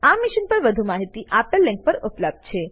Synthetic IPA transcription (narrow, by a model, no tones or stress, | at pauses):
amiʃənpəɾʋəd̪ʱumaɦit̪iʔapəlːɛ̃ŋk̚pəɾʊpləb̚d̪̚t͡ʃʰe